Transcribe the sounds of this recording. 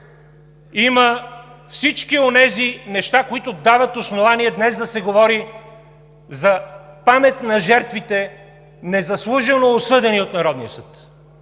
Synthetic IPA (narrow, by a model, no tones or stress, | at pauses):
imɐfsit͡ʃkionɛzinɛʃt̪akoit̪ʊd̪avɐt̪osnovaniɛd̪nɛzd̪ɐsɛɡovɔɾi | zɐpamɛt̪nɐʒɛɾt̪vit̪ɛ | nɛzɐslˠuʒənoːsɤd̪ɛniot̪nɐɾɔd̪niəsɤt̪